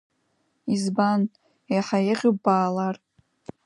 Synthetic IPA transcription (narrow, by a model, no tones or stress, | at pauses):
izban | ejħajeʁʲobaːlar